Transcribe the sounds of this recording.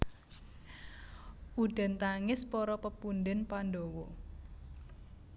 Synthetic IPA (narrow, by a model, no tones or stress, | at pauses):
ʔuɖ̥ɛ̤nt̪aŋɪspɔɾɔpəpund̪ɪnpanɖowɔ